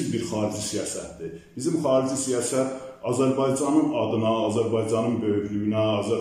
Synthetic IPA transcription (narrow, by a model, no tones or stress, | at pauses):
ibiɾxɑːɾid͡ʒisijɑːsæt̪d̪ib̥izimχɑːɾid͡ʒisijɑːsæt̪ɑzæɾbɑjd͡ʒɑnɯnɑd̪ɯnɑːzæɾbɑjd͡ʒɑnɯnbø̞jyɡlyjynæɑzæ